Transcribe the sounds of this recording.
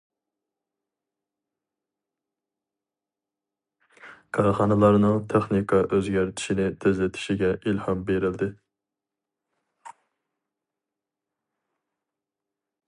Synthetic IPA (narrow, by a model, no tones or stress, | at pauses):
kʰɑɾχɑnɨlˠɑɾnɨŋt̪ʰɛχnikʰɑʔøzɡʲæɾt̪ʰɪ̥ʃinɪt̪ʰezlɪt̪ʰɪ̥ʃiɡʲɛʔilhɑmbeɾɪld̪ɪ